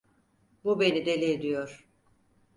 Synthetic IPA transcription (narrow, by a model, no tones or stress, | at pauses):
bube̞nid̪elʲeːd̪ijoɾ̥